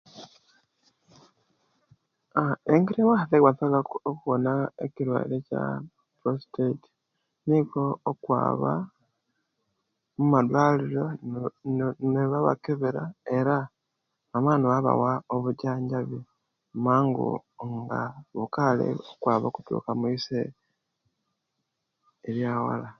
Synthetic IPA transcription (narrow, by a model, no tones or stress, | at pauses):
aeŋɡiɾemahaθekwasaɡaokuβonaekiɾwa̰ḭɾeca̰ | pɾosteiti̥ | niko̞ːkwa̰ːβa̰ | mumadwaːliɾo | neβaβa̰keβeɾae̞ɾa | amaːniwaβa̰waoβuɟaːɲɟaβi | maːŋɡṵŋɡaβukalḛokwaːβaku̥tṵːkamuise | ɾjaːwa̰la